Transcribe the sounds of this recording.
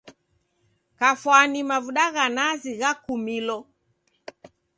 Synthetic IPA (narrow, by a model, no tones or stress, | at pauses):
kafwanimavuɗaɣanaziɣakumilɔ